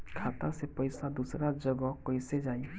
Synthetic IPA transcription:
kʰat̪asepɔjsad̪usɾad͡ʒɔɡɔkɔjsed͡ʒaj

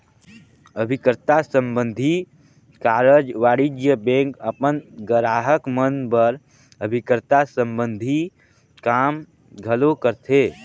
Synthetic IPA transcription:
əbʱɪkɾt̪asə̃mbə̃nd̪ʱi | kaːɾəd͡ʒʋaːɽid͡ʒjəbẽːŋkəpənɡəɾaːɦəkmənpəɾ | əbʱɪkɾt̪asə̃mbə̃nd̪ʱi | kaːm | ɡʱəlokəɾt̪ʰeː

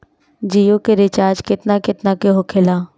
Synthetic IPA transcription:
d͡ʒijokeɾɪt͡ʃaːɾd͡ʒkɪt̪nakɪt̪nakeɦokʰɪlaː

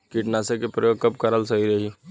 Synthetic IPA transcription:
kɪʈnaːsekepɾəjoːɡ̚kɐbkɐɾəlsɐɦiɾɐɦi

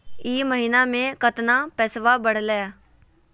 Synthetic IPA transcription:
iːməɦiːnamẽkət̪napɛːsʋabəɽ̤ləjaː

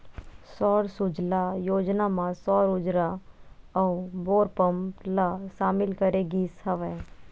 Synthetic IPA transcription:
sɔːɾsʊd͡ʒlajoːd͡ʒnamãsɔːɾʊd͡ʒɾaɐuboːɾpəmlaʃaːmɪlkəɾeɡiːshɐʋɛː

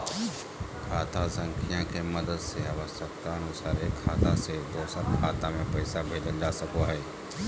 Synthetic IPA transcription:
kʰaːt̪asə̃ŋkʰijãkemɐd̪əd̪seaːʋəsək̚t̪aənʊsaːɾekʰaːt̪ased̪oːsəɾkʰaːt̪ãmẽpɐɪsabʱeːd͡ʒəld͡ʒaːsəkoɦɛː

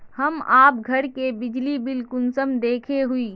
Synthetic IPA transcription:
həmaːpɡʱəɽkebɪd͡ʒlibɪlkʊnsəmd̪eːkʰeɦui

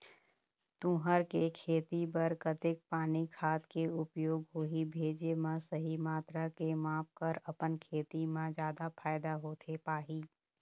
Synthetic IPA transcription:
t̪ũːɦəɾkekʰeːt̪ipɐɾkət̪ɪk̚paːnikʰaːt̪keʊpjoːɡɦoːɦibʱeːd͡ʒemãsəɦimaːt̪ɾakemãːp̚kɐɾɐpənkʰeːt̪imãd͡ʒjaːd̪afʰaːɪd̪aɦoːt̪ʰepaːɦiː

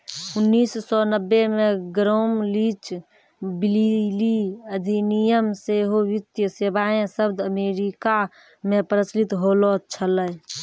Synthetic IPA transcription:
ʊnːiːssɔnəbːemeɡɾoːmlit͡ʃ | bililiəd̪ʱinijəmseɦoʋit̪jəsebaẽsəbd̪ʱəmeɾika | mepɾət͡ʃlit̪ɦolɔt͡ʃʰələ

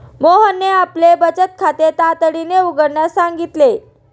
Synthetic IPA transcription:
moɦənːeaplebət͡ɕət̪̚kʰat̪et̪at̪əɽineuɡəɾɳjasaŋɡit̪le

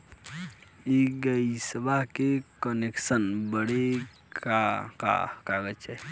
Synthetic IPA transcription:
iɡəisəbaɦkekəneksənbəɽe | kaka̰kaɡət͡ʃʰɛ

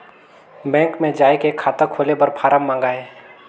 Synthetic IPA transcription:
bɛ̃ːŋkmẽd͡ʒaːekekʰaːt̪əkʰoːlebəɾpʰaːɾəmːãːŋɡaːɦɛː

